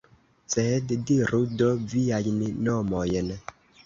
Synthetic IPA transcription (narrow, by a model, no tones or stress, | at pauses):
t͡sɛhɛdidiɾodɔvijad͡ʒninɔmɔjɛnɛ